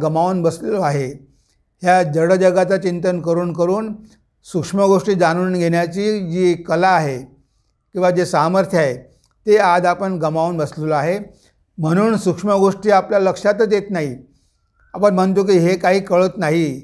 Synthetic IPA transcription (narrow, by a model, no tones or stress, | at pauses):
ɡəmaʋnbəslelaɦe | ɦjad͡zəɽəd͡ʑəɡat͡sat͡ɕint̪ənkəɾuːnkəɾuːn | sukʂməɡoʂʈiːd͡zañuːnɡʱeɽjat͡ɕiːd͡ʑiːkəlaːɦe | kĩw̃ʋad͡ʑesaməɾt̪ʰjəaɦe | t̪ead̪apəɳɡəmaunbəslelaɦe | m̤əɽ̃uːnsukʂməɡoʂʈiːapljaləkʂat̪əd̪et̪naɦi | apəɳm̤ənt̪ok̬iːɦekaɦiːkəɭət̪naɦi